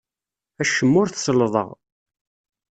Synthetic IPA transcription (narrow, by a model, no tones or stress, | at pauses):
æʃəmːʊɾθsəlːðˤə̰ʁ